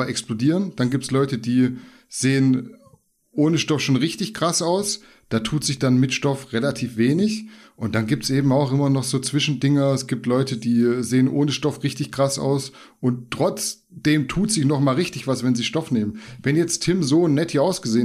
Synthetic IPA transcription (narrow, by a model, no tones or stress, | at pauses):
ɛksplodiːʁənd̥anɡiːptslɔʏtədiː | z̥eːən | ʔoːnəʃtɔfʃoːnʁɪçtɪçɡ̥ʁ̥asaʊs | d̥aːtʰuːtz̥ɪçd̥anmɪtʃtɔfʁelatʰiːfv̥eːnɪç | ʔʊnt̚d̥anɡiːp̚tsʔeːbm̩aʊxʔɪmɐnɔχz̥oːt͡sv̥ɪʃn̩dɪŋɐɛsɡ̥iːp̚tlɔʏtədiːzeːənʔoːnəʃtɔfʁɪçtɪçɡ̥ʁ̥asa̰ʊs | ʔʊnttːʁ̥ɔt͡s | d̥eːmtʰuːtz̥ɪçnɔχmaːlʁɪçtɪçv̥asvɛnziːʃtɔfneːmənvɛnjɛt͡stʰːɪmzoːnːɛtʰhiːaʊsɡ̥əzeː